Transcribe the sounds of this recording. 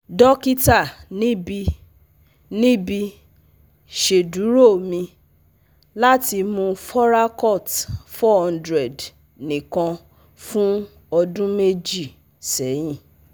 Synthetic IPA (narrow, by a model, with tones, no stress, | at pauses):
dɔ˦ki˦ta˦˨nĩ˦bi˧ | nĩ˦bi˧ | ʃe˨du˨˦ɾo˦˨mĩ˧ | la˦ti˧mũ˧fɔ˦ɾa˦kɔ˦˨tfɔ˦hɔ̃˦˧ndɾɛ˨d | nĩ˨kã˧ | fũ˦ | ɔ˧dũ˦me˦d͡ʒi˦˨ | sɛ˨˦j̃ĩ˦˨